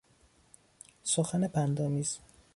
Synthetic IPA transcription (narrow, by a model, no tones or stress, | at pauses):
soxænepʰænd̪ɒːmiːz̥